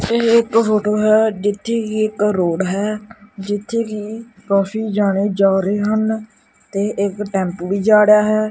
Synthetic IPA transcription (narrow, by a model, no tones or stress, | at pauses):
eɪkfoːʈoːɦɛːd͡ʒɪt̪ʰːeːkiːɪkɾoːɽɦɛːd͡ʒɪt̪ʰːeːɡiːkaːfiːd͡ʒaːɽ̃eːd͡ʒaːɾeːɦən | t̪eːʔɪkʈɛ̃ːmpʋiːd͡ʒaːɽjaːɦɛː